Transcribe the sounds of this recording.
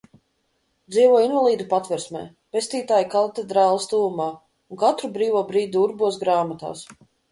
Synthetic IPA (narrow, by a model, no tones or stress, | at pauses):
d̪ziːvuɔinvalˠiːd̪upat̪vɛɾsmɛ̰ː | pesʲt̪iːt̪aːjikat̪ed̪ɾaːlˠast̪uːumaː | unkat̪ɾubɾiːvuɔbɾiːd̪ʲuuɾbuɔsɡɾaːmat̪a̰ːs